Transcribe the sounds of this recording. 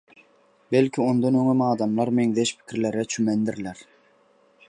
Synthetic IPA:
belkʲʰiond̪onøŋømɑːd̪ɑmlˠɑɾmeŋðeʃpʰi̥kʲʰiɾleɾɛt͡ʃʰymɛnd̪iɾlæɾ

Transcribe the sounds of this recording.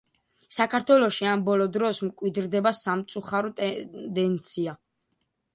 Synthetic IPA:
sakʰaɾt̪ʰwɛlɔʃiambɔlɔd̪ɾɔsmkʼwid̪ɾd̪ɛbasamt̪sʼuχaɾɔt̪ʼɛd̪ɛnt̪sʰia

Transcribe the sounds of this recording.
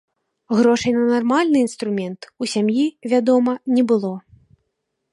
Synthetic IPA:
ɣɾɔʂɐjnɐnarmalʲnɨinst̪ɾumʲɛnt̪usʲamjivʲad̪ɔmɐnʲɛbɨlˠɔ

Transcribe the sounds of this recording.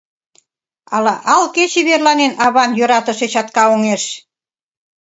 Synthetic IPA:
ɑ̰lɑʔɑlket͡ɕeβerlɑnenɑβɑnjøɾɑt̪ə̆ʃet͡ɕɑt̪kɑoŋeʃ

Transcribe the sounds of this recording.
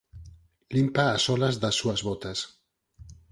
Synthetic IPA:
limpaːsɔlazðasːuazβot̪as

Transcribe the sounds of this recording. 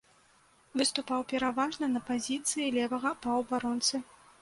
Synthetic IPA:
vɨst̪upawpʲɛɾavaʐnɐnɐpazʲit̪sɨjilʲɛvɐɣɐpɐwbaɾɔnt̪sɨ

